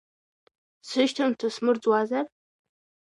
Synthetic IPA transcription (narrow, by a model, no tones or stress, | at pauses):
sɨʃtʰamtʰasmɨrt͡sʼwazar